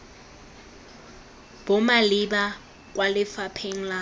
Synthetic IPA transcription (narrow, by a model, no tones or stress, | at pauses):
b̥ʊmalɪba | k̬ʼwalɪfapʰeŋ̩la